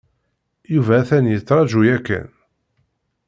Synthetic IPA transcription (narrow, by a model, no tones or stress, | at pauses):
juvæθænijət͡sːɾˤɑʒujækːæ̰n